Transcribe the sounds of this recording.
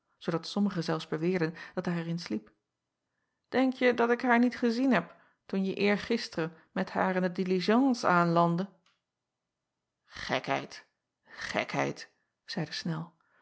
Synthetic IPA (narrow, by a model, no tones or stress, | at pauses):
z̥owdɑtsɔməχəzɛlˠfzbəʋɪːɹdənd̥ɑt̚daːɹɛɹɪnslip | d̥ɛŋkjədɑtɪkɦaːɹnitχəzinɦɛp | tunjəʔɪːɹχɪstərə | mɛtha̰ːɹɪndədiliʒɑnsaːnlɑndə | χɛ̰kɦɛ̰jt | χɛ̰kɦɛ̰jt | z̥ɛjdəsnɛlˠ